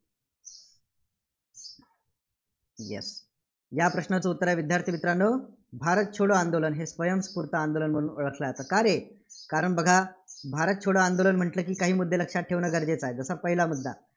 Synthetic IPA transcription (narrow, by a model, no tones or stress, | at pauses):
jḛs | japɾəɕnat͡səːut̪ːɾaʋid̪ʱjaɾt̪ʰiʋit̪ɾanə | bʱaɾət̪̚t͡ɕʰoɽəːand̪olənɦesʋəjəmspuɾt̪aand̪olənm̤əɽuːnoɭəkʰləat̪əkaɾe | kaɾəɳbəɡʱabʱaɾət̪̚t͡ɕʰoɽəand̪olənm̤əɳʈləːkiːkaɦiːmud̪ʱːeləkʂat̚ʈʰːeʋnəɡəɾd͡ʑet͡saɦed͡zəsapəɦilamud̪ʱːa̰